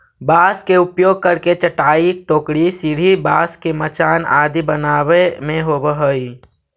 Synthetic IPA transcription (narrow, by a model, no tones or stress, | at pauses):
baːskeʊpjoːɡ̚kəɾket͡ʃəʈaːiʈoːkɽisɪɽ̤ʱibaːskemət͡ʃaːnaːd̪ibənaːʋemẽɦobəɦəi